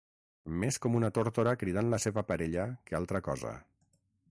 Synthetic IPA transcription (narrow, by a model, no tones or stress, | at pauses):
meskɔmunət̪oɾt̪oɾəkɾið̞anləseβəpəɾeʎəkəalˠt̪ɾəkɔzə̰